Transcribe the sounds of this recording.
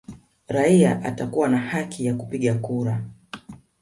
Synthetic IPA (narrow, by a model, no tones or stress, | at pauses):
ɾaiaʔa̰takuwanahakʰijakupiɠakuɾa